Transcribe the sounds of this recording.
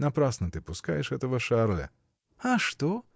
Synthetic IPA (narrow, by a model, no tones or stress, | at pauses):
napɾasnɔt̪ɪpuska̰jɛʃɛt̪ɛʋɐʃaɾlɛ̰ | aʃt̪o